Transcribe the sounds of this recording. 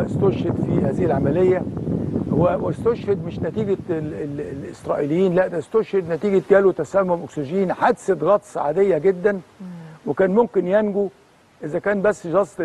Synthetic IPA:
st̪oʃhed̪fihæːzɪhilʕamælejːæhæwest̪oʃhed̪meʃnæt̪iːɡæellʔesɾˤɑ̰ʔilejːiːnlæʔd̪æst̪oʃhed̪næt̪iːɡæt̪̚ɡæːlut̪æsælmomʔoksoʒiːnħad̪sed̪ˤɣɑːt̪ˤsaʕad̪ejːæɡed̪ːænwekæːnmomkenjænɡu | ʔezækæːnbæsːʒɑsˤt̪

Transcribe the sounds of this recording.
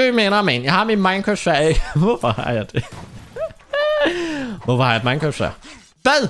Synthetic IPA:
ømenɐmenjɑ̈ɪhɑ̈minmɑ̈ɪnkʰʁosæɐeɡ̥əʋɔfɒhɑ̰jɑ̈ɪd̥e̝ | ʋɔfɒhɑ̈jd̥mɑ̈ɪnkʰɔsæ̰ɐ̰ | ʋæðˠ

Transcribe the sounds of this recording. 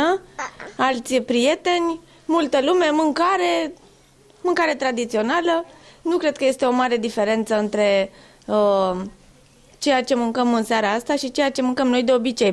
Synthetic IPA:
ə | alt̪sʲpɾije̞t̪e̞nʲ | mult̪əlume̞mɨŋkaɾe̞ | mɨŋkaɾe̞t̪ɾad̪it̪sio̞nalənukɾe̞d̪̚kəje̞st̪e̞o̞maɾe̞d̪ife̞ɾe̞nt̪səɨnt̪ɾe̞ | ə | t͡ʃe̞jat͡ʃe̞mɨŋkəmɨnseaɾaast̪aʃit͡ʃe̞jat͡ʃe̞mɨŋkəmno̞jd̪e̞o̞bit͡ʃe̞j

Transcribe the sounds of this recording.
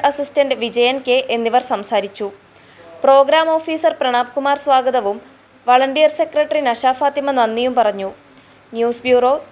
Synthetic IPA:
ɐsistɐɳɖɨʋid͡ʑɐjɐnke̞ʔenːiʋɐrsɐmsaːɾit͡ɕːu | pro̞ːɡɾaːmo̞ːfiːsɐrprɐɳaːp̚kumaːrsʋaːɡɐðɐʋum | ʋɐɭɐɳɖijɐrse̞krɐʈːrinɐɕaːfaːt̪ːimɐnɐnːijumpɐrɐɲːu | njuːsbjuːro̞ː

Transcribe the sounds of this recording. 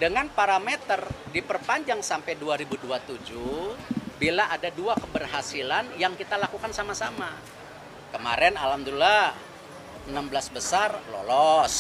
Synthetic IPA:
dəŋanpaɾamet̪ərdipərpaɲd͡ʒaŋsampɛjduaɾibuduat̪ud͡ʒu | bilaʔadaduakəbərɦasilanjaŋkit̪alakukansamasama | kəma̰ɾɛnalamd̪ula | ənamblasbəsarlɔ̰lɔs

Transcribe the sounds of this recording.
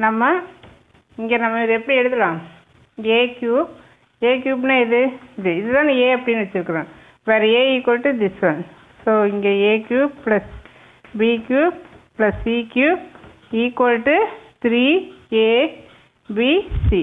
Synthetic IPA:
nɐmːɐ | ɪŋɡenɐmːɐɪðɯɛpːɐɽiɛɽɯt̪ːɯlãːm | ɪɡeːkjuː | eːk̬juːp̬nãɪðɯɪðɯɪðɯt̪ãːneːɐpːɐɽɪnːʋɐt͡ʃːɪɾɯkːɯɾẽː | ʋɐɾeiːkɐlʈːɯd̪ɪsʋɐn | soːɪŋɡeeːkjuːplɐs | biːkjuːplɐsiːkjuː | iːkwolʈːɯt̪ɾiːeː | bisi

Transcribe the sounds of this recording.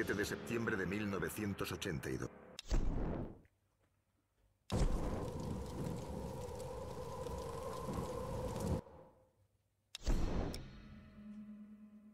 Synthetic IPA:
et̪eðe̞se̞p̚t̪je̞mbɾeðemilno̞βe̞θje̞nt̪o̞sot͡ʃe̞nt̪aḭðo

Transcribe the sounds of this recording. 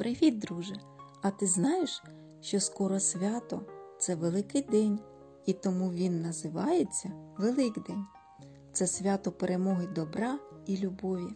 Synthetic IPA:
pɾʔeʋʲid̪̚ːɾuʒe | ɐt̪ɪznɑjeʃ | ʃt͡ʃɔskɔɾɔsʲʋʲɑt̪ɔt̪sɛʋelˠɪkɪjd̪ɛnʲ | it̪ɔmuʋʲinːɐzɪʋɑjet͡sʲːɐʋelˠɪkd̪ɛnʲ | t̪sɛsʲʋʲat̪ɔpeɾemɔɦɪd̪ɔbɾɑilʲubɔʋʲi

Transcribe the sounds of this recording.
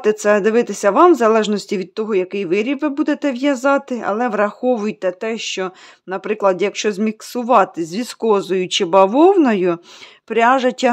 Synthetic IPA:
t̪ɪt̪sɛd̪ɪʋɪt̪ɪsʲɐʋɑmzɐlˠɛʒnɔsʲtʲiʋʲid̪̚t̪ɔɦɔjɐkɪjʋɪɾʲibʋɪbud̪et̪ɛʋjɐzɑt̪ɪɐ̰lˠɛʋɾɐxɔʋʊjt̪ɛt̪ɛʃt͡ʃɔ | nɐpɾɪklˠɐd̪jɐkʃt͡ʃɔzʲmʲiksʊʋɑt̪ɪzʲʋʲiskɔzɔjʊt͡ʃɪbɐʋɔwnɔjʊ | pɾʲɑʒɐtʲːɐ

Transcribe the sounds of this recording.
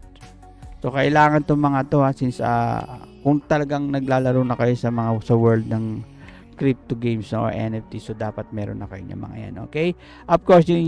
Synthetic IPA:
so̞kɐʔɪlaːŋɐnt̪oŋmɐŋat̪o̞hasinsɐ̰kʊŋt̪ɐlɐɡaŋnɐɡ̚laːlɐɾownɐkɐjo̞sɐmɐŋasɐwɛɹld̪̚nɐŋ | kɾip̚t̪oɡejmsnoʔo̰ɹʔɛ̰nɛft̪isod̪aːpɐt̪̚mɛːɾo̰nːɐkɐjoɲɐ̰mɐ̰ŋɐ̰ja̰nʔo̞̰ːkɛj | ʔɐvkoɹsjʊŋ

